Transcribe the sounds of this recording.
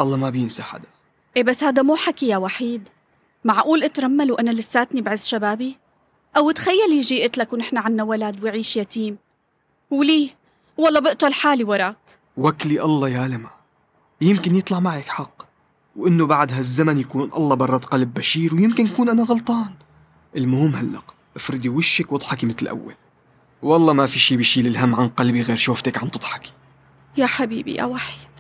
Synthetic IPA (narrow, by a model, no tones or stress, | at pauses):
ʔɑlˤːɑmabjɪnsaħa̰d̪ḁ | ʔeːbasːhaːd̪amuːħakijawaħiːd̪ | maʕʔuːlʔɪt̪ɾˤɑmːalwʔanalɪsːaːt̪nibʕɪsːʃabaːbi | ʔawɪt̪xajːaljiʒiːʔɪt̪lakwnɪħnaʕanːawalaːd̪wɪʕiːʃjat̪iːm | wliː | wɑlˤːɑːbɪʔt̪ʊlħaːliwɑɾˤɑːk | wakliʔɑlˤːɑjaːlama | jɪmkɪnjɨt̪ˤlɑʕmaʕakħɑqː | wʔɪnːobaʕd̪ɦazːamanjakuːnʔɑ̰lˤːɑbɑrˤːɑt̪qɑlb̚ːaʃiːɾwjɪmkɪnjakuːnʔanaɣɑlt̪ˤɑːn | ʔɪlmʊhʊmhalːa̰q | ʔɪfɾɨd̪iwɪʃːakwʔɨd̪ˤħɑkimɪt̪lʔa̰wːa̰l | wɑlˤːɑmafiʃiːbɪʃiːlɪlɦamːʕanqɑlbiɣeːɾʃuːft̪akʕant̪ˤɨd̪̥ˤħɑ̥ki̥ | jaħabḭːbḭjʔa̰waħjd̪̥